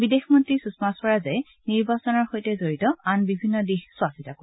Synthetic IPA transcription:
bidexmɔntɹisusmaspɔɹazaj | niɹbasɔnɔɹxojtɛzoɹitɔanbibʱinːɔdixswasitako

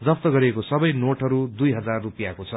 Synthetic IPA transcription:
d͡zʌpt̪ʌɡʌɾiekosʌbʌjnoʈɦʌɾud̪ujɦʌd͡zarːupijakot͡sʰʌ

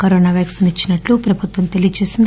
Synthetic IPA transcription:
kɐɾoːnaːʋjaksɐnit͡ʃːinɐʈlupɾɐbʱut̪ʋɐmt̪e̞lijɐt͡ʃe̞ːsind̪

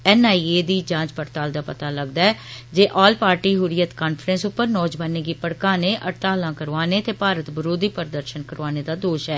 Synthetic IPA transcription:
ɛːnaːieːd̪iːd͡ʒãːt͡ʃpəɾt̪aːld̪aːpət̪aːləɡd̪aːɛːd͡ʒeːʔɔːlpaːɾʈiːɦʊɾɪjət̪kaːnpʰɾɛ̃nsʊpːəɾnɔːd͡ʒbaːneːɡiːpəɽkaːneːʔəʈt̪aːlãːkəɾʋaːneːt̪eːpaːɾət̪bəɾoːd̪iːpəɾd̪əɾʃənkəɾʋaːneːd̪aːd̪oːʃɦɛː

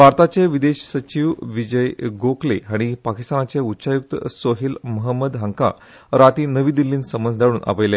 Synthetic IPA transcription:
bʱaɾt̪at͡ɕeʋid̪eɕsət͡ɕiʋʋid͡ʑəjɡokleɦaɽ̃ipakist̪anat͡seutːɕajuk̚t̪ə̰soɦiːlməɦəmːəd̪ɦəŋka̰ | ɾat̪iːnəʋiːd̪ilːiːnsəmənd͡zd̪ʱaɽuːnʔa̰pəjle

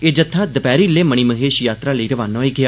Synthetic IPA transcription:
eːd͡ʒət̪ʰːaːd̪əpɛːɾiːleːməɽ̃iːməɦeːʃjaːt̪ɾaːləiːɾəʋaːnaːiːɡɪjː

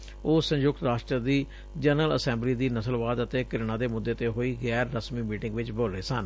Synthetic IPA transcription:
oːsə̃njʊk̚t̪ɾaːʃʈɾəd̪iː | d͡ʒənələ̰sɛ̃ːmbliːd̪iːnəsəlʋaːd̪ət̪eːkɪɾɪɳ̃ãːd̪eːmʊd̪ːeːt̪eːɦoːiːɣɛːɾːəsmiːmiːʈɪ̃ŋɡʋɪt͡ʃbəlɾeːsən

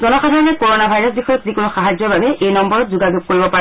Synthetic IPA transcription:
zɔnɔxadʱaɹɔnɛkoɹonabʱajɹɔsbixɔjɔtzikonuxaɦazjɔbʱabɛʔejnɔmbɔɹɔtzuɡaɡuk̚koɹibɔpa

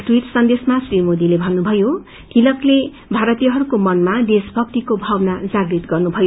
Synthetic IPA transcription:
ʈwiʈsʌnd̪esmasrimod̪ilebʱʌnːubʱʌjo | kilʌkle | bʱaɾʌt̪ijʌɦʌɾukomʌnmad̪esbʱʌk̚t̪ikobʱawʌnad͡zaɡɾit̪ɡʌrnubʱʌjo

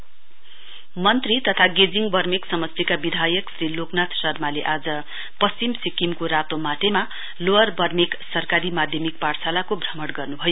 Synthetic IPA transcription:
mʌnt̪rit̪ʌt̪ʰaɡed͡ziŋbʌrmiksʌmʌsikabid̪ʱajʌksɾiloknat̪sʌrmaleʔad͡zʌ | pʌst͡ɕimsikimkoɾat̪omaʈema | loʌrbʌrmeksʌrkaɾimad̪ʱjʌmikparsalakobʱrʌmʌɽɡʌrnubʱʌjo

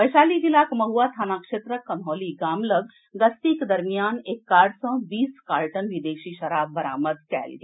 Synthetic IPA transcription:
ʋəjʃaːliɡilaːkmɐɦuat̪ʰaːnaːkʂeːt̪ɾəkːɐnɦɔːliɡaːmləɡ | ɡɐst̪ikd̪ɐɾmijaːnekːaːɖsə̃biːskaːɾʈənʋid̪eːʃiːʃɐɾaːbːəɾaːməd̪kɛ̰ːlɡe

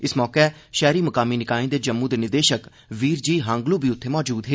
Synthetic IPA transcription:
ɪsmɔːkɛːʃɛːɾiːməkaːmiːnɪkaːĩːd̪eːd͡ʒəmːũːd̪eːnɪd̪eːʃək | ʋiːɾd͡ʒiːɦãːŋɡluːbiːʊt̪ʰːeːmɔːd͡ʒuːd̪ɦeː

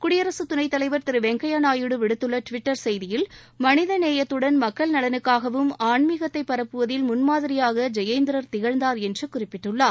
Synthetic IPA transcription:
kʊɽɪjɐɾɐsɯt̪ʊnɐɪt̪ːɐlɐɪʋɐɾt̪ɪɾɯʋɛŋɡɐjaːnaːjɯɽɯʋɪɽɯt̪ːɯɭːɐʈʋɪʈːɐɾsɛjðɪjɪlmɐnɪðɐneːjɐt̪ːɯɽɐnmɐkːɐɭnɐlɐnɯkːaːɣɐʋɯmaːɳmiɣɐt̪ːɐɪpːɐɾɐpːɯʋɐðɪlmʊnmaːðɪɾɪjaːɣɐd͡ʒɐjeɪnd̪ɪɾɐɾt̪ɪɣɐɻnd̪aːɾɛndrɯkʊrɪpːɪʈːɯɭːaːɾ

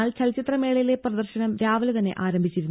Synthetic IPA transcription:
aːlt͡ɕɐlt͡ɕit̪rɐmeːɭɐjile̞prɐd̪ɐrɕɐnɐmɾaːʋɐlt̪ɐnːe̞̰ʔaːɾɐmbʱit͡ɕːiɾun

